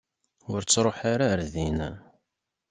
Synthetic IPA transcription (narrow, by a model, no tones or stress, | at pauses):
ʊɾt͡sːɾˤoħaɾaɾðin